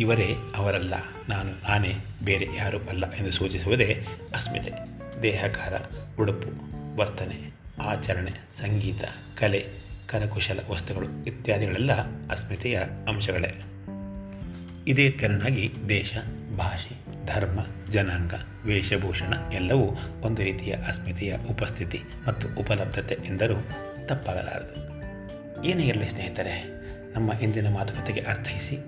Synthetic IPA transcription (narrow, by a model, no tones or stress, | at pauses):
iʋɐɾeːɐʋɐɾɐlːɐ̰ | naːnunaːneː | beːɾejaːɾuʔɐlːɐʔe̞nd̪usuːt͡ʃisuʋud̪eː | ɐsmḭt̪e | d̪ɛːɦɐkaːɾɐ̰uɽupuʋɐɾt̪ɐne | aːt͡ʃɐɾɐɳe | sɐŋɡiːt̪ɐ̰ | kɐlekɐɾɐkuʂɐlɐ̰ʋɐst̪uɡɐɭuʋit̪jaːd̪ʱiɡɐɭɛlːɐɐsmit̪ɛjɐɐmʃɐɡɐɭḛ | id̪eːd̪̚ɡɐɾɐɳaːɡid̪ɛːʃɐbʱaːʃi | d̪ʱɐɾmɐd͡ʒɐnaːŋɡɐ | ʋɛːʃɐbʱuːʂɐɳɐɛlːɐʋuond̪uɾiːt̪ijɐ̰ʔɐsmit̪ɛjɐ̰ʔupɐst̪ʰit̪i | mɐt̪ːuʔupɐlɐb̚d̪ʱɐt̪eʔɛnd̪ɐɾuː | t̪ɐpːaːɡɐ̰la̰ːɾɐd̪u | eːneːiɾɐlisneɦit̪aːɾe | nɐmːɐɦind̪inɐmaːt̪ɐ̥kɐt̪ːeɡeʔɐɾt̪ʰɐɦisi